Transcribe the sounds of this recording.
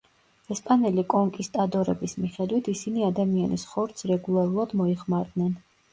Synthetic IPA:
ɛspʼanɛlikʼɔŋkʼist̪ʼad̪ɔɾɛ̰bismiχɛd̪wit̪ʰisiniad̪amianḭsχɔɾt̪sʰɾɛɡulˠaɾulˠad̪mɔiχmaɾd̪nɛn

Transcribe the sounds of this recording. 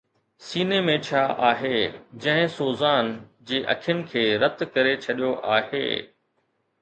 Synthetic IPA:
siːnemẽt͡ɕʰaːʔaːɦeːd͡ʑɐ̃ɦɪ̃soːzaːnd͡ʑeːʔɐ̰kʰijənɪ̆kʰeːɾɐt̪kɐɾet͡ɕʰɐɗijoʔaːɦḛː

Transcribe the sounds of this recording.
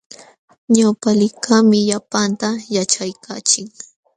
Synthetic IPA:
ɲawpalɪkamɪʎapant̪ajat͡ʃajkʰa̰ːt͡ʃɪk̚

